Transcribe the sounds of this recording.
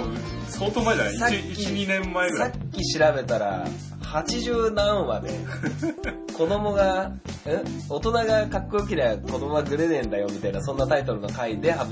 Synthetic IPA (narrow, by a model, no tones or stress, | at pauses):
sot̪oasakːʲiɲinẽmːaeɡɯsakʲːiɕiɾabe̞t̪aɾa̰ | hat͡ɕiʑɨːnãɰ̃βa̰d̪e̞̰ | ko̞d̪o̞mo̞ɡa | ɯ̟̃o̞t̪o̞naɡakakːook̬ʲiɾeko̞d̪o̞mo̞ɡaɡɯ̟ɾenẽ̞nd̪ajo̞mʲit̪ainasõ̞nːat̪ait̪o̞ɾɯ̟no̞kaid̪e̞ɦa